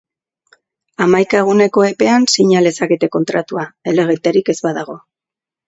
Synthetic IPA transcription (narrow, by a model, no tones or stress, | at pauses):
amajkaeɣ̞une̞ko̞e̞pe̞ansiɲale̞sakit̪e̞ko̞nt̪ɾat̪uae̞le̞ɣ̞et̪eɾike̞zβaðaɣo̞